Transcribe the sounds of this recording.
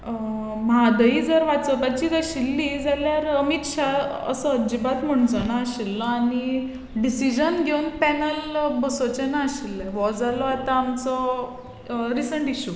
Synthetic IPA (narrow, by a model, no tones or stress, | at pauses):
mɦad̪əiːd͡zəɾʋat͡səpat͡ɕiːt̪əɕilːid͡zaljaɾəmit̪ɕa | ə̰səːd͡ʑibat̪m̤əɳ̃t͡sɔnaːɕilːɔaɽ̃i | ɖisid͡ʑənɡʱeunpɛnəlbəsot͡ɕɛnaːɕilːɛʋɔd͡zalɔat̪aːmt͡sɔ | ɾisəɳʈiɕu